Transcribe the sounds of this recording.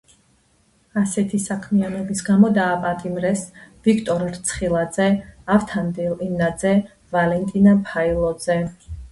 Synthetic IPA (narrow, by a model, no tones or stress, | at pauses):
asɛt̪ʰisakʰmianɔbisɡamɔd̪aːpʼat̪ʼimɾɛsvikʰt̪ʼɔɾɾt̪sʰχilˠad̪zɛavt̪ʰand̪ilinad̪zɛ | valɛnt̪ʼinapʰailˠɔd̪zɛ